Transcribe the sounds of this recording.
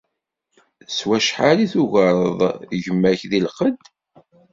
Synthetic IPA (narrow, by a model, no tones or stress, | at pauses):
swæʃħaɾiθuʝəɾˤəðˤʝəmːæçðilqəd̪